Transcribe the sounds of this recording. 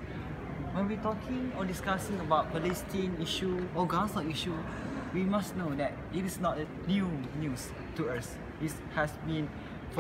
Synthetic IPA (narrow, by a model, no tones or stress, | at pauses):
wɛ̃nwitɔkʰĩŋɔdiskasĩŋəbaʊt̚bəlistĩə̃niʃuɔɡasɔ̃iʃu | wimasnodɛt̚itisnɔt̚ə | njunjus | tuas | dis | hɛsbĩn